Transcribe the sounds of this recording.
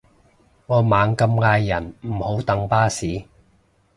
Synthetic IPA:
ŋɔː˨˧maː˨˧ŋkɐ˧mŋaː˧jːɐ˨˩nm̩˨˩ho˨˥wt̪ɐ˨˥ŋpaː˥siː˨˥

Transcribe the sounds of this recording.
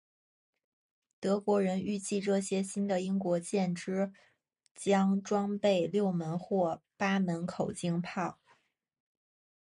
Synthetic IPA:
t̪ɤ˧˥kwɔ˧˥ɻə˧˥ny˥˧t͡ɕi˥˧ʈ͡ʂɤ˥˩ɕjɛ˥ɕi˥nd̪ə˨i˥ŋkwɔ˧˥t͡ɕjɛ˥˩nʈ͡ʂɻ̩˥ | t͡ɕjɑ˥ŋʈ͡ʂwɑ˥ŋpe˥˧ɪljo˥˩ʊmə˧˥nxwɔ˥˩pa˥mə˧˥nkʰo˨˩ʊt͡ɕi˥ŋpʰɑ˥˩ʊ

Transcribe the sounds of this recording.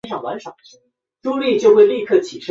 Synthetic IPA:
ʂʰɑ˨˩ŋwa˧˥nʂɑ˨˩˦ | ʈ͡ʂu˥li˥˧t͡ɕjo˥˧ʊxwe˥˧ɪli˥˧kʰɤ˥˩t͡ɕʰi˨˩ʂə˥

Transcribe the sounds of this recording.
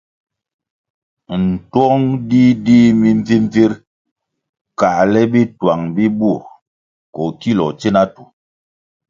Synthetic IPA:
n̩˨twɔ˦ŋdi˦di˦mi˦ɱ˦vi˦m˦vi˦ɾ | ka˨ʔlɛ˦bi˦twa˨ŋbi˦bu˦˨ | kɔ˨ki˦lɔ˨t͡ʃe˦na˦tu˨

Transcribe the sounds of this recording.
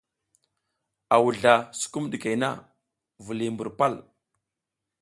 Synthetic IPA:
a˨wu˨ɮa˨su̥˦ku˦mɗi˨ke˨jna̰˦ | vu˨li˨mbu˨ɾpa˦˨l

